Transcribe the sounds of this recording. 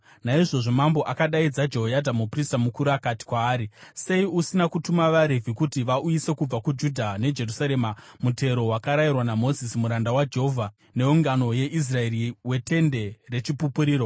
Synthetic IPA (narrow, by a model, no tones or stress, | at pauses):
naiʐo̞ʐo̞mambo̞ʔakaɗaid͡zad͡ʒe̞ɦojadʱamupristamukuɾuakati̥kwaːɾise̞iusinakutumaʋaɾevʱikutiʋaʔujise̞kub͡vakud͡ʒudʱane̞d͡ʒe̞rusaɾe̞ːmamute̞ɾo̞wakaɾajirwanamo̞zisimuɾandawad͡ʒeɦovʱa | ne̞uŋɡano̞je̞ʔis̬rae̞ɾiwe̞te̞nde̞re̞t͡ʃipupuɾiːɾo̞